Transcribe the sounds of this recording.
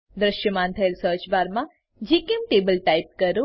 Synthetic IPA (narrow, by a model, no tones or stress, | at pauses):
d̪ɾəʃjəmãnt̪ʰəelsəɾt͡ʃbaɾmã | d͡ʒikimʈebəlʈaip̚kəɾũ